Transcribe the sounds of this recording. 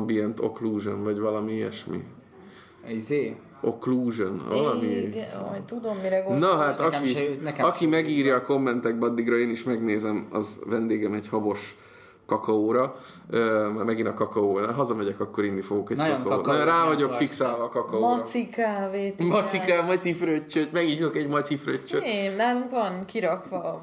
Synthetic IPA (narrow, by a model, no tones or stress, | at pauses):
mbiɛnt̪o̰kluːʒonvɒɟvɒlɒmieɛ̰ʃmḭ | iz | o̞kluːʒon̰ɒlɒmiɔjt̪ud̪omːiɾɛɡnnɒɦat̪ɒkinɛɒkimɛɡiːrjɒːko̞mːɛnt̪ɛɡ̚bɛɒd̪ːiɡrɒeːniʃmɛɡneːzɛmɒ̰zvɛnd̪eːɡɛmɛɟhɒbo̞ʃ | kɒkɒoːɾɒ | øːmaːrmɛɡinɒkɒkɒoːbɦɒzɒmɛɟɛkɒkːo̞ɾinːifo̞ɡokɛɟkɒkːnjonraːvɒɟo̞kfiksaːlvɒːkɒkɒoɒːsikaːveːt̪mɒsikaːmɒifrøcːøtmɛɡɲiːt̪okɛɟmɒtifrøt͡ʃːøennaːluŋkʋɒnkiɾɒkʋɒ